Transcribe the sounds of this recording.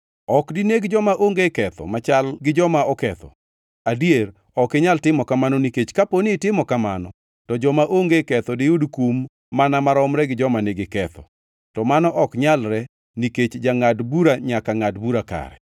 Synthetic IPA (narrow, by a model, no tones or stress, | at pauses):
ɔkdineɡd͡ʒɔmaʔoŋɡekɛt̪ɔ̰mat͡ʃalɡɪd͡ʒɔmaɔkɛt̪ɔ̰ | adier | ɔkɪɲaltɪmɔkamanɔniket͡ʃkaponɪtɪmɔkamanɔ | tɔd͡ʒɔmaʔoŋɡekɛt̪ɔdɪudkumː | anamaɾɔmɾɛɡɪd͡ʒɔmaneɡɪkɛt̪ɔ̰ | tɔmanɔʔɔkɲalɾɛ | niket͡ʃd͡ʒaŋadbuɾaɲakaŋadbuɾaka̰ɾɛ̰